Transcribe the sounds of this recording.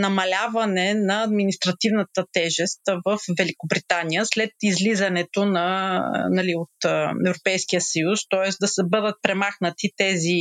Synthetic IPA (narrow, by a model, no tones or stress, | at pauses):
nɐmɐlʲavɐnɛnɐːd̪minist̪ɾɐt̪ivnət̪ət̪ɛʒɛst̪vəfvɛlikobɾit̪anijəslɛt̪izlizɐnɛt̪onɐ̰nɐliot̪ɛvɾopɛjskijəsɐjust̪ɔɛsd̪ɐsɛbɤd̪ət̪̚pɾɛmaxnət̪it̪ɛzi